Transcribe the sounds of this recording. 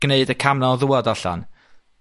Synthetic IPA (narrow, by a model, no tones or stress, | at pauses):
neɨdəkʰamnɔðuadaɬa̰n